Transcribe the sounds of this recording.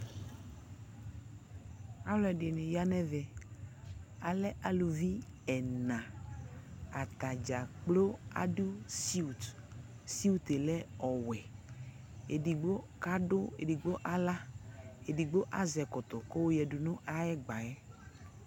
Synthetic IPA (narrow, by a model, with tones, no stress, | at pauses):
a˦wlɔ˨˦ɛ˨ɖɪ˨nɪ̃˨ja˦nɛ˦vɛ˨ | a˨lɛ˦ʔa˨lu˨vi˦ɛ˨nã˨ | a˨t̪a˨d͡ʒa˨k͡plo˦a̰˨ɖu˦si˦u˨t | si˦u˦t̪e˨lɛ˦ɔ˨wɛ˨ | e˨di˨ɡ͡bo˦ | ka˦dʊ˦ḛ˨di˨ɡ͡bo˦ʔa˦la˦e˨di˨ɡ͡bo˦ʔa˦zɛ˨kɔ˨t̪ɔ˨ko˦wo˦jɛ˨du˨nʊ̃˦ʔa˦jɛ˦ɡ͡ba˨jɛ˦